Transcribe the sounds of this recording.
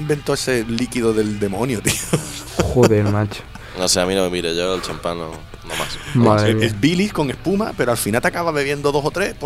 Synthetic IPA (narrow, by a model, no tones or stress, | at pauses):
imbe̞nt̪oeselikiðoðe̞ld̪e̞mõnjot̪ioxoðeɾmat͡ʃ | noseamĩnomemiɾeʝoelt͡ʃampano | noma̰sbaeesbilisko̞ŋe̞hpuma̰pe̞ɾoalfinalt̪akaβaβe̞βje̞nd̪oðo̞sot̪ɾehp